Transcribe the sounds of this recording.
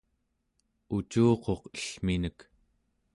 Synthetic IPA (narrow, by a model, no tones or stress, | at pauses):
ut͡ʃuːqo̞qə̥ɬminək